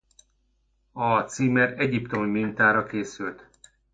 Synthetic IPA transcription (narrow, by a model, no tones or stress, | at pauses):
ɒt̪siːmɛɾɛɟipt̪o̞mimint̪aːɾɒkeːsylt̪